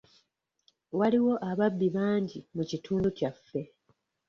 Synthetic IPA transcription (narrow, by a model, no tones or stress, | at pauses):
waliwo̞ʔaβabːiβaːɲɟimucitʰuːnducafːe̞